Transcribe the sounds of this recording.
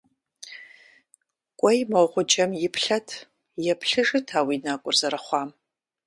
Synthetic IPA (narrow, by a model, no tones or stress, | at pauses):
kʷʼɔjmawʁʷʊd͡ʒʼɐmjɪpʰɬɐtʰ | jɛpʰɬɨʐɨtʰaːwinakʷʼʊrzɐɾɐχʷɑːm